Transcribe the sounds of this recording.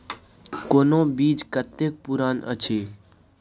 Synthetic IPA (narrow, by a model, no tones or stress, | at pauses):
koːnõːbiːd͡ʒkət̪ːeːk̚puɾaːnə̰t͡ʃʰeː